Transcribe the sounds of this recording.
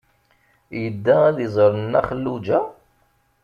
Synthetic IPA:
jəd̪ːææðizˤəɾənːæ̰χəlːud͡ʒæ

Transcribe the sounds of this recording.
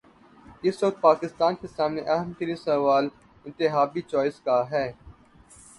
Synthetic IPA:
ɪsʋɐk̚t̪̚paːkɪst̪aːnkesaːmneʔɐɦəmt̪əlisɐʋaːl | ɪ̃nt̪ɪɦaːbit͡ʃaːɪskaɦɛː

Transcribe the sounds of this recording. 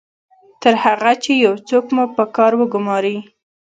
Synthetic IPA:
t̪əɾhaɣat͡ʃejawt͡sokmupəkɑɾwəɡʊmɑɾi

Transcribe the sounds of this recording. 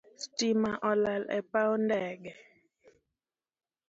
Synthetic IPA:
stimaʔɔlɛlɛ̰paondɛɡɛ

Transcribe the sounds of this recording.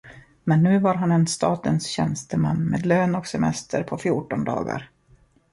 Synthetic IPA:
mɛnːʉ̟ːvaɾɦanɛnst̪ɑːt̪ənsɕɛnst̪əmanːmḛːd̪løːnɔksɛmɛ̰st̪ʰəɾpʰɔfjuːʈɔnd̪ɑ̰ːɡa̰ɾ

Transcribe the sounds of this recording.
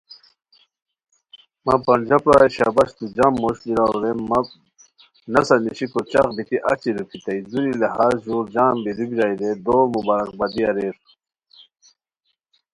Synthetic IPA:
mɐpɐnd͡ʑɐpɾaɕa̰bɐɕt̪ud͡ʑamːoɕliɾaɾemɐ | nɐsɐniɕikot͡ɕɐqbit̪iʔɐt͡ɕiɾukit̪ɐizuɾileɦaːzʑuːɾd͡ʑaːmbiɾubiɾaːjɾed̪oːɾmubaːɾɐk̚bɐd̪iɐɾeːɾu

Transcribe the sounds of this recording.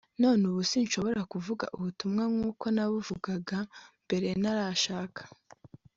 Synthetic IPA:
no̞ːnuβusinʃo̞βo̞ɾakuvuɡa̰ʔuβutumŋaŋuːko̞naβuvuɡaɡambe̞ɾe̞naɾaʃaːkʰḁ

